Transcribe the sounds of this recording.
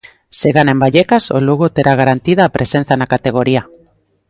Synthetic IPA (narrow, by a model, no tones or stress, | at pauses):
seɣanembaʎekaso̰luɣot̪eɾʔaɣaɾant̪ið̞aːpɾʔesen̟θanakat̪eɣ̞oɾia